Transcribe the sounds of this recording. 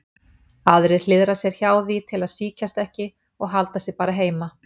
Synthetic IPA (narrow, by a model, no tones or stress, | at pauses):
aðɾɪ̥l̥ɪðɾasjɛɾ̥çaːwðit̪ʰɪlaðsiːcast̪ɛhcɪ | ɔɣɦalt̪asjɛɾpaːɾaɦeːjma